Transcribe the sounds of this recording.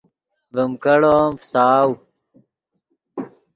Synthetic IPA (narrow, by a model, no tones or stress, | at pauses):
vəmkɐɽoːmfsaːw